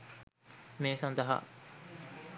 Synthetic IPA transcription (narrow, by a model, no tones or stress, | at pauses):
meːsãnd̪aɦa̰